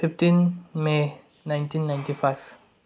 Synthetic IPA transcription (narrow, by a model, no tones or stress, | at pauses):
fiftinme | nãjntinːajntifajv̥